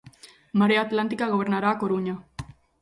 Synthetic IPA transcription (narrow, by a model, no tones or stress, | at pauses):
maɾeaːt̪lant̪ikaɣo̞βe̞ɾnaɾaːkoɾuɲa